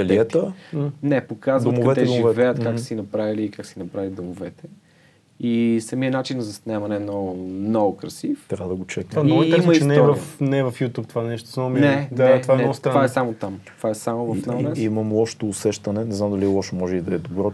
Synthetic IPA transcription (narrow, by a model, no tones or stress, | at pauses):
ɐliɛt̪ənɛpokazvtomkɐdɛt̪ɛd̪ʒivɛvɛjət̪kaksinɐpɾaviliːkaksinɐpɾavilid̪omovɛt̪ɛ | isɐmiənat͡ʃinzɐsnɛmɐnɛnɔmnɔɡʊkɾɐsift̪ɾʲavəd̪əɡot͡ʃɛkanɔɾɛiɛməisɛnɛɛvɐfnɛːvɐfjut̪ʲupt̪vanɛʃt̪o̥samominɛnaɛt̪ovaɛɛɔst̪ɾvaɛsamot̪amt̪ovaɛsamovɐfanɛimɐmlˠɔʃt̪oːsɛʃt̪ɐnɛnɛznamd̪ɐlilˠɔʃɛmɔʒɛid̪ɐɛd̪obɾɔ